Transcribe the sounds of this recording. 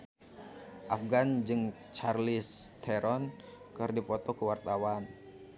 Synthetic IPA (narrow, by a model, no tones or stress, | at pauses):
ʔafɡand͡ʒɨŋ | t͡ʃarlist̪ʰɛɾɔn | kɨrdipɔt̪ɔkəwart̪awan